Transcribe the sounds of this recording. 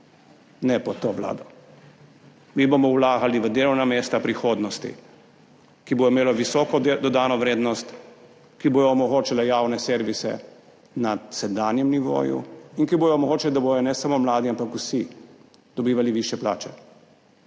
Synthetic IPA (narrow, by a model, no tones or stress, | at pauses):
nɛpɔt̪oːʋla̰ːd̪ɔ | miːbomɔwlaːɡaliʋəd̪elɔwnameːst̪apɾixoːd̪nɔst̪ḭ | kiboimeːlɔʋisɔːkɔd̪ɔd̪aːnɔʋɾeːd̪nɔst̪ | kiboːjɔːmɔɣoːt͡ʃɛlajaːwnɛseːɾʋisɛ̰ | nasɛd̪aːnjɛmniʋo̰ːjṵinkibojɔːmɔɣoːt͡ʃɛld̪abojɔnɛsamomlaːd̪iampakusi | d̪̥ɔbiːʋaliʋiʃjɛpla̰ːt͡ʃɛ